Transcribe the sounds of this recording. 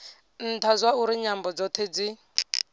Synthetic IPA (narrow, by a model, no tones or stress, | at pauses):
n̩tʰazwauɾiɲambɔd͡zɔt̪ʰed͡zi